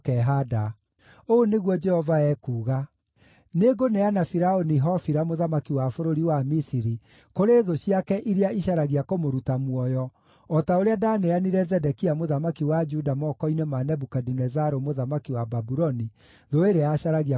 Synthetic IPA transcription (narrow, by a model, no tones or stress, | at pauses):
kɛɦada | oːneɣwɔd͡ʒɛhɔvaɛkuːɣa | neɡoneanafiɾaoniɦɔfiɾamoðamakiwafoɾoɾiwamisiɾi | koɾeðoɕiakɛʔiɾeaiʃaɾaɣiakomoɾutamwɔjɔ | ɔtaoɾeadaneaniɾɛzɛdɛkiamoðamakiwad͡ʒudamɔkɔinɛmanɛbukadinɛzaɾomoðamakiwababuɾɔni | ðoeɾeaɕaɾaɣia